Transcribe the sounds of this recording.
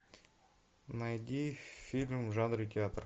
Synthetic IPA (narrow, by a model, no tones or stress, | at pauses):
najd̪ʲifʲilʲmʒanɾit̪ʰʲeat̪r